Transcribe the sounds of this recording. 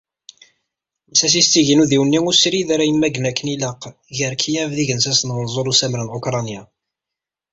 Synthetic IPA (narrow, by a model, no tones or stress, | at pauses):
msæs̬ist͡sːiʝinuðiwnːiŋusɾiðaɾæjəmːæɡnækːəniləqː | ʝəɾkʰijævðiʝənsæsnwənzˤoɾusæmɾənokɾˤɑnja